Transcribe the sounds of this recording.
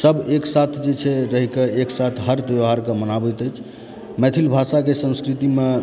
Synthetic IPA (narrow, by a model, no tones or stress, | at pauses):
səbeksat̪ʰd͡ʒet͡ʃʰɛɾəɦikeeksat̪ʰɦəɾt̪eʋɦaɾkemənabət̪əjt͡ʃʰ | mɛt̪ʰilbʱasakesə̃nskɾit̪ime